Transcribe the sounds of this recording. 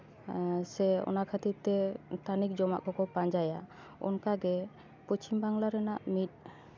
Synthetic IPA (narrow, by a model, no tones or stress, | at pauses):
sɛɔ̰nakʰat̪iɾt̪ɛt̪anik̚d͡ʒɔma̰ʔkɔkɔpaɲd͡ʒaja | ɔ̰nkaɡɛ | pɔt͡ʃimbaŋlaɾɛnaʔmit̪̚ˀ